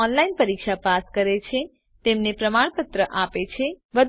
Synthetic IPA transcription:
ɔnlainpəɾikʃapaskəɾet͡ʃʰe | t̪emnepɾəmaɳ̃pət̪ɾəʔapet͡ʃʰe | bəd̪

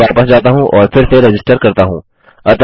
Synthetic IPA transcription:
aːpəsd͡ʒaːt̪aɦũʔɔːɾfɪɾseɾɛd͡ʒɪsʈəɾkɐɾt̪aɦũː | ɐt̪

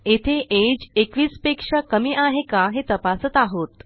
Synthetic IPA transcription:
et̪ʰeʔed͡ʑekʋiːspekʂakəmiʔaɦekaɦet̪əpasət̪aɦot̪

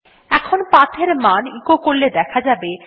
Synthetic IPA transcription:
ɛkʰonpat̪ʰeɾmanikokoɾled̪ɛkʰad͡ʑabe

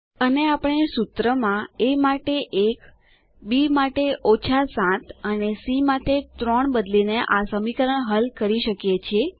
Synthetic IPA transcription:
əneapəɳ̃esut̪ɾəmãemaʈeʔek | bimaʈeʔot͡ʃʰasãt̪ənesimaʈet̪ɾoɳbəd̪lineʔasəmikəɾəɳɦəlkəɾiʃəkjet͡ʃʰie

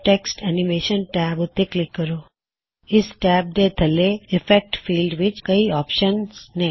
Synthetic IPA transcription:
ʈeksʈɛnimeʃənʈæbut̪ːeklɪkːəɾo | isʈɛb̚d̪et̪ʰəleifek̚ʈfilɖʋit͡ʃkəiɔpʃənsne

